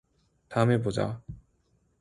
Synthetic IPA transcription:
t̪aɯmebod͡ʑa̰

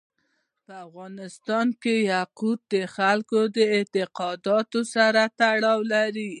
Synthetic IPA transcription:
pəafɣɑnɪst̪ɑnkejaqut̪̚d̪əxalkod̪əɪt̪ɪqɑd̪ɑt̪osaɾat̪aɽɑwlaɾi

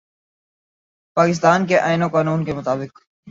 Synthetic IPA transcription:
paːkɪs̬t̪aːnkeʔaːɪnõkaːnuːnkemʊt̪aːbɪk

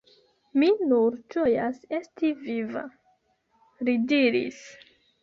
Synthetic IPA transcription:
minuɾt͡ʃojasestiviva̰ | ɾidiɾḭs

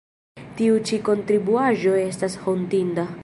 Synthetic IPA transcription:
tiut͡ʃiko̞ntɾibuaʒo̞e̞stasho̞ntinda

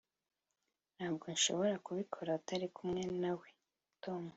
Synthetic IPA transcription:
n̥haːbɡo̞nʃo̞̰βo̞ɾakuβikʰo̞ɾautaɾikumŋe̞nawe̞ | toːmu

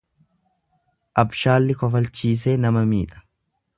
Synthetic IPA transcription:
ʔɐbʃaːlːɪkɔfɐlt͡ʃiːs̬eːnɐmɐmiːᶑɐ̥

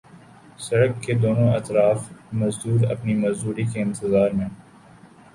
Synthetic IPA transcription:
sɐɽəkːed̪oːnõɐt̪ɾaːfmɐzd̪uːɾɐ̰pnimɐzd̪uːɾikeɪ̃nt̪ɪzaːɾmẽ

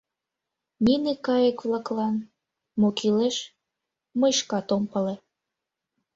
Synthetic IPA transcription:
ninekɑjəkβlɑklɑn | mokileʃ | məjʃkɑt̪ompəle

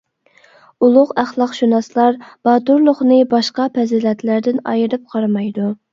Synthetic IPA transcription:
ulˠʊqæχlˠɑqʃunɑslˠɑɾb̥ɑːt̪uɾlˠʊχnɨbɑʃqɑpʰɛzilɛt̪læɾd̪ɪnɑjɨɾɨp̚qʰɑɾɑmɑjd̪u

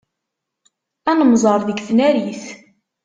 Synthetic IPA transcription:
ænəmzˤɑɾˤðəɡθnæɾiθ

